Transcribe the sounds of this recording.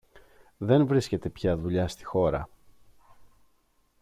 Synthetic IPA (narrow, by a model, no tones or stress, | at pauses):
ðe̞nvɾisce̞t̪e̞pçɐðuʎɐst̪i̥xo̞ɾɐ̰